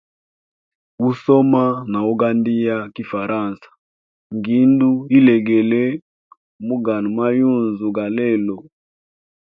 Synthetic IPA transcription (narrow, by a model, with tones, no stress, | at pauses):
u˦sɔ˦ma˦na˨u˦ɡa˦ndi˦ja˦ki˦fa˨ɾa˦˨nsḁ˨ | ŋɡi˨˦ndu˦i˦lɛ˨ɡɛ˨lɛ˦ | mu˦ɡa˨n˨ma˦ju˦˨nzu˨ɡa˨lɛ˦˨lɔ˨